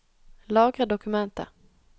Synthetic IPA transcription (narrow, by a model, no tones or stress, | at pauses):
lɑːɡɾad̪ɔkɵmɛnt̪ə̰